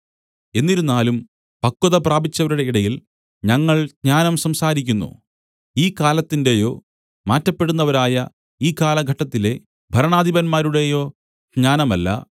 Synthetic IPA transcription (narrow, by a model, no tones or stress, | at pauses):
e̞nːiɾunːaːlum | pɐkːuðɐpraːbit͡ɕːɐʋɐɾuɽe̞iɽɐjil | ɲɐŋːɐɭɡɲaːnɐmsɐmsaːɾikʲːunːṵ | iːkaːlɐt̪ːinde̞jo̞ː | maːtːɐpːe̞ɽunːɐʋɐɾaːjɐ | iːkaːlɐɡʱɐʈːɐt̪ːile̞ | bʱɐɾɐɳaːd̪ʱibɐnmaːɾuɽe̞jo̞ː | ɡɲaːnɐmɐlːɐ̰